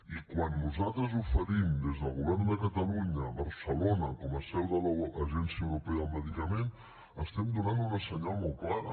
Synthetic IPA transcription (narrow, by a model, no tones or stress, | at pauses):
ikwanːuzat̪ɾəzufəɾimd̪ezðəlˠɣuβɛrnd̪əkət̪əluɲəβəɾsəlonəkɔməsɛwðələːʒɛnsiəwɾupɛəəlˠməðikəmen | əst̪ɛmd̪unanunəsəɲalˠmɔlˠklaɾə̰